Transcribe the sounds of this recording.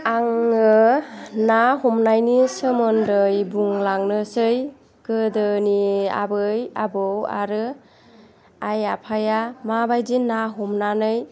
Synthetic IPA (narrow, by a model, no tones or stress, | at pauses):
aŋɯnaɦɔmnajnisɯmɯndɯjbuŋlaŋnɯsɯj | kɯdɯnia̰bɯja̰bɯwa̰ɾɯ | ajapʰajamabajzinaɦɔmnanɯj